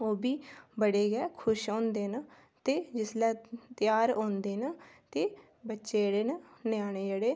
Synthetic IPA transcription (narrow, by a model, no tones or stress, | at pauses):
oːbiːbəɽeːɡɛːkʰʊʃõːnd̪eːna | t̪eːd͡ʒɪslɛːt̪ɪjaːɾõːnd̪eːnaːt̪eː | bətːʃeːɽeːnanjaːɽeːd͡ʒeːɽeː